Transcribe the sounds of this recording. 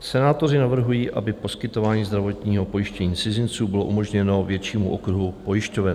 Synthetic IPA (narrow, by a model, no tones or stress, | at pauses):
sɛnaːt̪o̞rɪnavr̩ɦujiːʔa̰bɪpo̞skɪt̪o̞vaːɲiːzd̪ɾavo̞t̪ɲiːɦo̞po̞jɪʃcɛɲiːt͡sɪzɪnt͡suːbɪlo̞ʔumoʒɲɛno̞vjɛt͡ʃiːmuʔokɾuɦupo̞jɪʃcovɛ